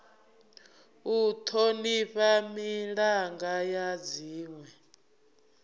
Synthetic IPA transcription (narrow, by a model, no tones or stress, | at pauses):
ut̪ʰoniɸamiɺaŋɡajad͡ziːŋwɛ